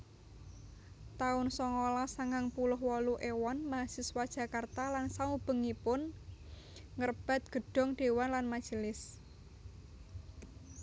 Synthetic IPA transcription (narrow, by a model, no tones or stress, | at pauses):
t̪aʊnsɔŋolasaŋaŋpulʊɦwɔluʔewɔnmasɪswad̥ʒ̥a̤kart̪alansaub̥ə̤ŋipʊn | ŋərb̥a̤t̪̚ɡ̥ə̤ɖ̥ɔ̤ŋɖ̥e̤wanlanmad̥ʒ̥ə̤lɪs